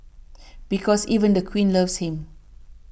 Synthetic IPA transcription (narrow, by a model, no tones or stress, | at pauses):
b̥ikʰɔsiːvə̃nd̪əkʰwĩːnlʌvshĩm